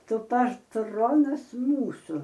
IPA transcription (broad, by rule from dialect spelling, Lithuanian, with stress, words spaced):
ˈtʊ pɐtˈroːnɐs ˈmuːsʊ